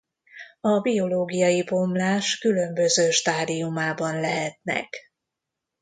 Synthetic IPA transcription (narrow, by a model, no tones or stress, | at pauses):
ɒbijo̞loːɡijɒjibomlaːʃkylø̞mbø̞zøːʃt̪aːd̪ijumaːbɒnlɛɦɛt̪nɛ̰k